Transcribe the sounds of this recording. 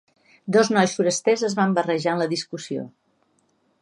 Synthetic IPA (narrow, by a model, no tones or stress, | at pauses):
d̪ɔznɔjsfuɾəst̪ɛzəzβambərəʒaənləðiskusio̰